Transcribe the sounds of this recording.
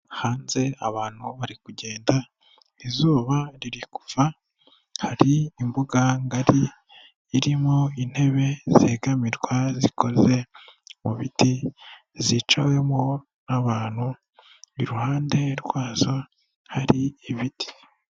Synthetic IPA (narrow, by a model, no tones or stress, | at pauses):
haːnze̞aβaːn̥huβaɾikuɟe̞ːnda | izuːβaɾiɾiku̥va | haɾiːmbuɡaŋɡaɾiː | ɾimoin̥he̞βe̞z̥eːɡamiɾɡwaziko̞ze̞muβiti | zit͡ʃawe̞mo | naβaːn̥hu | iɾuhaːnde̞ɾɡwaːzo̞ | haɾiiβiti̥